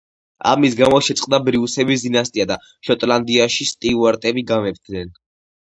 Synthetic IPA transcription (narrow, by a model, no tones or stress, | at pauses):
a̰misɡamɔʃɛt̪sʼqʼd̪abɾiusɛbis̬d̪inast̪ʼiad̪a | ʃɔt̪ʼland̪iaʃist̪ʼiuaɾt̪ʼɛbiɡamɛpd̪nɛn